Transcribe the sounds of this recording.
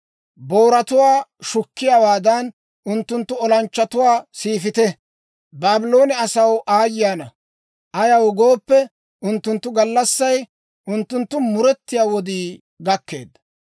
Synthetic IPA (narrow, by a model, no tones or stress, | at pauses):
bo̞ːɾɐt̪ʊwaːʃʊkːɪjaːwaːd̪ɐn | ʔʊnt̪ːʊnt̪ːʊɔlɐnt͡ʃːɐt̪ʊwaːsiːfɪt̪ɛ | baːbɪlo̞ːnɛɐsɐwʔaːjːɪjaːnɐ | ʔɐjɐwɡo̞ːpːɛ | ʔʊnt̪ːʊnt̪ːʊɡɐlːɐsːɐj | ʔʊnt̪ːʊnt̪ːʊmʊɾɛt̪ːɪjaːwɔd̪iː | ɡɐkːḛːd̪ːɐ